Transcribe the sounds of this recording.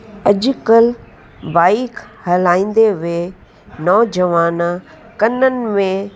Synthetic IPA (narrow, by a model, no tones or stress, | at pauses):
ɐʄʊkəl | baːikhɐlaːĩːnd̪eʋe | nɔːd͡ʑəʋaːna | kɐnənɪ̆mẽ